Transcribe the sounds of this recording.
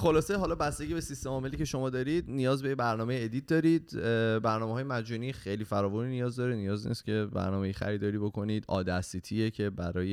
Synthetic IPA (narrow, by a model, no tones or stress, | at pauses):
xo̞lɒːse̞ɦɒːlɒbæst̪e̞ɟʲiːbesist̪e̞mɒːme̞liːcʰe̞ʃo̞mɒːd̪ɒːɾiːd̪nijɒːzbe̞jebæɾnɒːme̞jeed̪iːt̪̚d̪ɒːɾid̪bæɾnɒːmeɦɒːjemæd͡ʒuːniːxejliːfæɾɒːvuninijɒːzd̪ɒːɾenijɒːznḭscʰe̞bæ̰ɾnɒːmejixæ̰ɾiːd̪ɒːɾiːbo̞ko̞niːd̪ɒ̰ːd̪æsit̪ʰijecʰe̞bæɾɒːje